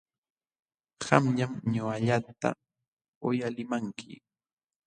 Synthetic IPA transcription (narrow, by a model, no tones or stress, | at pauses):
hamʎamɲʊaʎat̪a̰ | ʊjalɪmaŋkʰɪ̰